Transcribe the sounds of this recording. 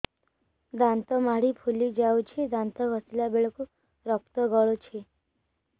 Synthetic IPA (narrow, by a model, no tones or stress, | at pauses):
d̪ant̪ɔmaɽipʰulid͡ʒawt͡ʃʰed̪ãnt̪ɔɡʱɔsilabeɭɔku | ɾɔk̚t̪ɔɡɔɭɔt͡ʃʰe